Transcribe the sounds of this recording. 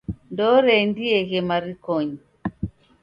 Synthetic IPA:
ndɔɾɛndiɛɣɛmaɾikɔɲi

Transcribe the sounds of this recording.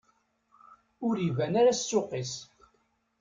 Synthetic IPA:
ʊɾivænaɾat͡sːʊqis

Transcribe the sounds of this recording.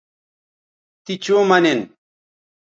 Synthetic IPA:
t̪it͡ʃoːmanen

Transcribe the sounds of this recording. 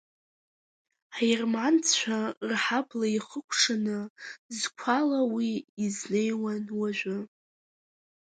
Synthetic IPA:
ħajrmant͡sʰt͡ʃʷʰᶣarħablaiχəkʷʰʂɨnɨzkʷʰalawiːzne̞jwanwaʒʷᶣʊ

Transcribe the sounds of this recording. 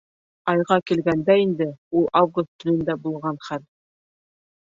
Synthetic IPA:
ɑjʁɑkilɡænd̪æind̪ɘulˠavɡust̪ːʰɵ̆nɵ̆nd̪æbulˠʁɑnχæl

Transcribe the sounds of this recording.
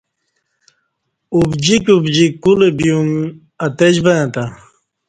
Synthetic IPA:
ubd͡ʑikʲubd͡ʑikulebijuŋ | ɐt̪ed͡ʑbɐãt̪a

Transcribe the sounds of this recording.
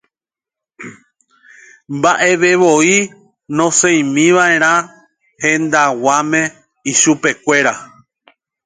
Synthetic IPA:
mbaʔe̞ʋe̞ʋo̞i | nõ̞sẽj̃mĩʋae̞ɾ̃ã | hẽ̞nd̪awamẽ̞ | iʃupe̞kʷe̞ɾa

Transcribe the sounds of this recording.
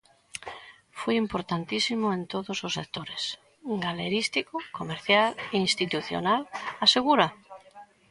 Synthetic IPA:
fujimpoɾt̪ant̪isimoẽnt̪oðososːek̚t̪oɾes | ɡaleɾist̪ikokomeɾθjaleinst̪it̪uθjo̰nalaseɣ̞uɾa

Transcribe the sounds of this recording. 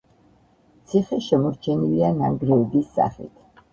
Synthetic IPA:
t̪sʰiχɛʃɛmɔɾt͡ʃʰɛnilianaŋɡɾɛːbisːa̰χḭt̪ʰ

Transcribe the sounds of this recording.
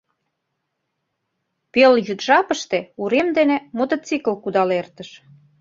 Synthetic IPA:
peljyt̪ʒɑpəʃt̪ĕuɾemd̪enemot̪ət͡sikəlkud̪ɑlert̪əʃ

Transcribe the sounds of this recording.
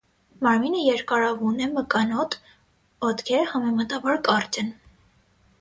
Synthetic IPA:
mɑɾminəjɛɾkɑɾɑvunɛməkɑnɔt̪ʰ | ɔt̪kʰɛɾəhɑmɛmɑt̪ɑbɑɾkɑrt͡ʃən

